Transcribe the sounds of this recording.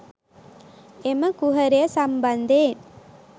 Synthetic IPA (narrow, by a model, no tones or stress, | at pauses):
emɐkʊɦɐɾejɐsɐmbɐnd̪eːn